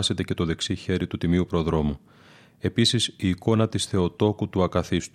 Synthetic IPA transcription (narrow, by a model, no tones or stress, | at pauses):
se̞t̪e̞ce̞t̪o̞ðe̞ksiçe̞ɾit̪ut̪imiupɾo̞ðɾo̞mu | e̞pisisiːko̞nɐt̪isθe̞o̞t̪o̞kut̪uɐkɐθist̪u